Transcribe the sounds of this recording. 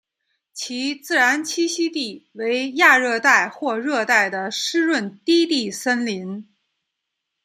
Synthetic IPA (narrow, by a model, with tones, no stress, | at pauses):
t͡ɕʰi˧˥t͡sɹ̩˥˩ɻa˧˥nt͡ɕʰi˥ɕi˥t̪i˥˩we˧˥ɪja˥˧ɻɤ˥˧t̪a˥˧ɪxwɔ˥˧ɻɤ˥˧t̪a˥˩ɪd̪ə˩ʂɻ̩˥ɻwə˥˩nt̪i˥t̪i˥˩sə˥nli˧˥n